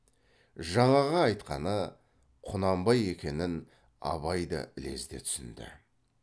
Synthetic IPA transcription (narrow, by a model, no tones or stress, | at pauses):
ʒɑɴɑʁɑɑjt̪qɑnə | qʰʊnɑmbɑje̞kʲe̞nɪn | ɑ̰βɑjd̪ɑ̰ʔɪle̞̰zd̪e̞̰t̪ʰʏ̥sɪnd̪ɪ̰